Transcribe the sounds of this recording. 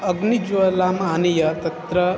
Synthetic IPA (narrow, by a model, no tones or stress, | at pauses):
ɐɡnid͡ʒʋɐlaːmaːnijɐt̪ɐt̪ɾɐ